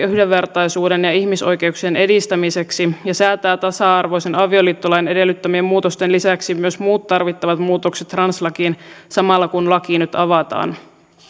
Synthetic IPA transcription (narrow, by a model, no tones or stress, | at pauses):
yhdeːe̞rt̪ɑjsuːdenjɑiçmiso̞jke̞uksiene̞dist̪æmise̞ksijɑsæːt̪æːt̪ɑsɑɑrʋo̞jsenɑʋio̞liːt̪ːolɑjene̞de̞lːyt̪ːømiemmuːt̪ost̪enlisæksimyøsmuːt̪ːɑrʋit̪ːɑʋɑt̪muːt̪okset̪ːrɑnslɑkiːnsɑmɑlːɑkunlɑkinyt̪ɑʋɑt̪ɑ̰ːn